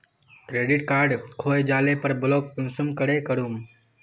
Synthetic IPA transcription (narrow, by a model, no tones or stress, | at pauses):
kɾeːɖɪʈkaːɾɖkʰoːjd͡ʒaːlepəɾbʊloːk̚pʊnsumkəɽeːkəɽuːm